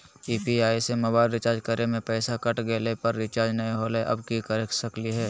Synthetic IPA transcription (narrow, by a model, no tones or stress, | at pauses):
iːpiaːisemɐbaːɪlɾɪt͡ʃaːɾd͡ʒkəɾemẽpɛːsakɐʈɡeːlepɐɾːɪt͡ʃaːɾd͡ʒnɐĩɦoːleʔɐ̰bkikəɾksɐkliɦɛː